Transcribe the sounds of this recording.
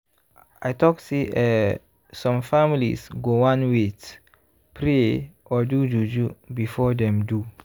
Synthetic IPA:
ajtɔkseʔɛ | sɔ̃mfamilḭsɡowãnwet | pʰɾeɔdud͡ʒud͡ʒubifɔdɛ̃mdu

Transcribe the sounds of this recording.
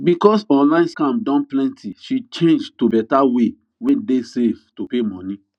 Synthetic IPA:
bikɔsɔ̃nlãɪ̃nskãmdɔ̃nplɛ̃ntʰiʃit͡ʃẽnd͡ʒtobɛtawe | wɛ̃desevtopemɔ̃nĩ

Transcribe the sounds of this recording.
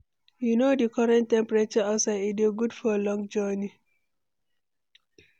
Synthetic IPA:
junodikʰɔɹɛ̃ntːɛ̃mpɹet͡ʃəasaɪidiɡudfɔlɔ̃ŋd͡ʒɔni

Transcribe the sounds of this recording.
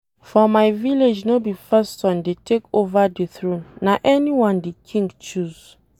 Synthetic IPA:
fɔmajviled͡ʒnobifɛstɔ̃ndetʰekovadiθɹõnːaʔɛniwɔ̃ndikʰĩŋɡt͡ʃuz̥

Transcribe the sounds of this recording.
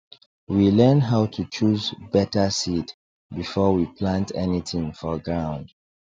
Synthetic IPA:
wilɜ̃nɦaʊtʰut͡ʃuzbɛtəsid | bifɔwipʰlãntɛniθɪ̃ŋfɔɡɹãʊ̃nd̥

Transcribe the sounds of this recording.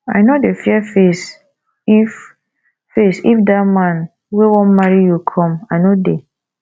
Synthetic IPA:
a̰jnodefiɛfes | ifː | esḭfdamãn | wewɔ̃nmaɹijukʰɔ̃majnode

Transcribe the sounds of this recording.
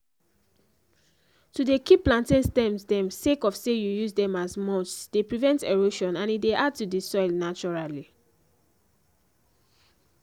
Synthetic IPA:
tudekiplãntĩnstɛ̃msdɛ̃msekɔfsejujuzdɛ̃mazmɔt͡ʃsd̥epɹivɛ̃nteɹoʃɔ̃nãnideʔad̚tudisɔɪlnat͡ʃɔɹali

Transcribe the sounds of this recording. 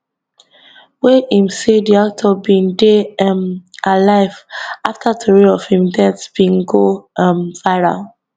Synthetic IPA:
weʔĩmsediak̚tʰɔbĩndemʔalaɪvaftʰatʰɔɹiɔv̥hĩmdɛ̃tb̥ĩŋɡomvaɪɹa̰

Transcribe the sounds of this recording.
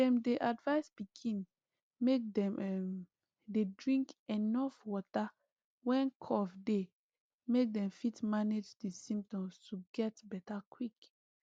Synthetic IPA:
dɛ̃mdeʔadvaɪspikʰĩn | mek̚dɛ̃mɛm | dedɹĩŋkɛnɔfwɔta | wɛ̃nkʰɔfde | mek̚dɛ̃mfitmaned͡ʒdisĩmptɔ̃mstʰuɡɛtbɛtakʰwik

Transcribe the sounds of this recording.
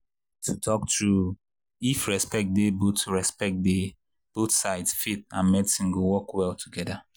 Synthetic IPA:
tʰutʰɔk̚tɹu | ifɹɛspɛk̚debotɹɛspɛk̚de | b̥oθsaɪdsfet̚ãnmɛdsĩnɡowɔkwɛlˠtʰuɡɛda

